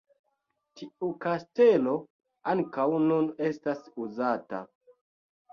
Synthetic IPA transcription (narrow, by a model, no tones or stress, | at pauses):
tiukaste̞lo̞ | aŋkawnune̞stasuzata̰